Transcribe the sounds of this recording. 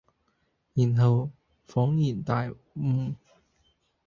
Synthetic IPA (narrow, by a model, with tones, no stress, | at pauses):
jiː˨˩nɦɐ˨w | fɔː˨˥ŋjiː˨˩nt̪aː˨j | m̩ː˨˧˩